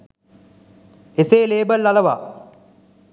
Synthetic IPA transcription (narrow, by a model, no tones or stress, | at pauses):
eseːleːbəlːalɐʋa̰ː